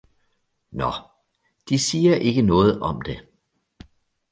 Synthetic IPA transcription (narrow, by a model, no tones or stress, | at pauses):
nɒ | d̥isiːɐʔe̝ɡ̥ənɔ̽ːð̞̩ˠɒ̽md̥e̝